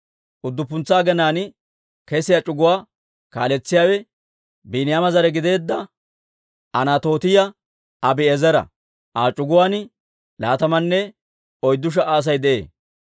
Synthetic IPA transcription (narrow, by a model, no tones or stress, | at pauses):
ʔʊd̪ːʊpːʊnt͡sːaːɡɛnaːn | kɛsɪjɐt͡ʃʼʊɡʊwaː | ka̰ːlɛt͡sːɪjaːwɛ | biːnɪjaːmɐzɐɾɛɡɪd̪e̞ːd̪ːɐ | ɐnaːt̪o̞ːt̪ɪjɐ | ɐbɪɛzɛɾɐ̰ | ʔaːt͡ʃʼʊɡʊwaːn | la̰ːt̪ɐmɐnːɛ | ɔjd̪ːʊʃ̬ɐʔaːs̬ɐjd̪ɛʔḛː